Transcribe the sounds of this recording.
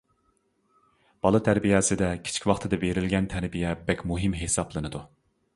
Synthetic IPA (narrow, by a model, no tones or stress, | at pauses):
b̥ɑlˠɨt̪ʰæɾbijɛsɪd̪ɛkʲʰi̥t͡ʃʰi̥kʲwɑχt̪ʰɨd̪ɛveɾɪlɡʲɛnt̪ʰæɾbijɛbɛkʲmuɦimɦesɑblˠɨnɨd̪u